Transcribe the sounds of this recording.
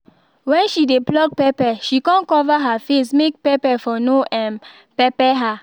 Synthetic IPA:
wɛ̃nʃideblɔk̚pɛpɛʃikãnkɔvaɦafes̬mek̚pɛpɛfɔnoʔɛ̃n | pɛpɛɦa

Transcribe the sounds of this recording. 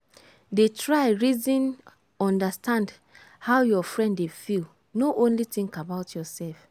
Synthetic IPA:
detʰɹaɪɹizĩn | ɔ̃ndəstʰãnd | haʊjɔfɹɛ̃ndefilˠ | noʔõnliθĩŋkabaʊtʰjɔsɛlf

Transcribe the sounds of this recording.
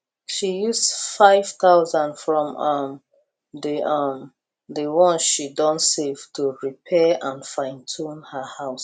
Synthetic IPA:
ʃijusfaɪv̥θaʊzãnfɹɔ̃mʌm | ðəʔʌm | ðəwɔ̃nʃidɔ̃nsev̥tʰuɹipʰɛʔãnfãɪ̃ntʰũnhəhaʊs

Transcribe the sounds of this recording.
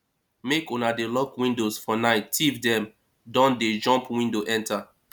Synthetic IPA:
mekõnadelɔkwĩndosfɔnaɪtivdɛ̃m | dɔ̃nded͡ʒɔ̃mpwĩndoʔɛ̃ntʰa

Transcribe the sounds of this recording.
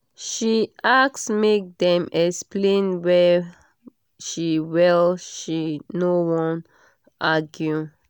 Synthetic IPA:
ʃiʔaksmek̚dɛ̃mɛksplẽnwɛ | ʃiwɛlʃinowɔ̃n | ʔaɡju

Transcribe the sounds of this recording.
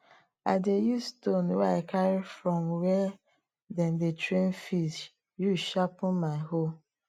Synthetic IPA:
a̰ɪdejustõnwɛaɪkʰaɹifɹɔmwɛ | dãndetɹẽnfiʃ | juʃapʊ̃nmaɪho

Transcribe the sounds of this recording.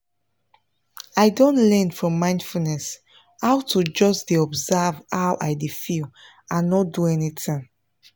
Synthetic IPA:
aɪdõntlɛ̃nfɹɔ̃mːãɪ̃ndfulnɛs | hawtʰud͡ʒɔsdeɔbzavhawʔajdefil | ãnːɔt̚duɛnitĩŋ

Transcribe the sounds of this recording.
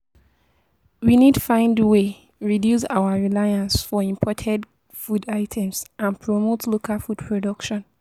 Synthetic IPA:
winidtfãɪ̃ndwe | ɹidjusa̰ʊaɹilaɪãnsfɔĩmpʰɔtʰɛd | fudaɪtʰɛ̃msãnpʰɹomotʰlokʰafud̥pʰɹodʌkʃɔ̃n

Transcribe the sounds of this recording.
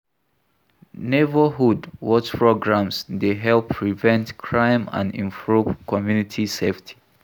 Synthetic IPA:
nevəɦudwɔt͡ʃpʰɹoɡɹãmsdeɦɛlˠpʰːɹivɛ̃ntkʰɹãɪ̃mã̰ndḭ̃ɱpɹuvkʰɔmjunitʰiseftʰi̥

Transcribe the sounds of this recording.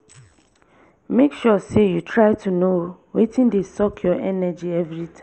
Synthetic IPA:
mekʃɔsejutʰɹaɪtʰunowetĩndesɔkʰjɔʔɛnɛd͡ʒiɛvɹitã

